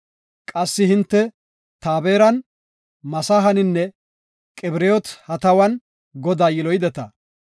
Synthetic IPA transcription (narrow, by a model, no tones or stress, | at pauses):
kʼɐsːɪhɪnt̪ːɛ | t̪aːbeːɾɐn | mɐsaːɦɐnɪnːɛ | kʼɛbɪɾeːɔt̪hɐt̪ɐwɐn | ɡɔd̪aːjɪlɔjd̪ɛt̪ɐ̰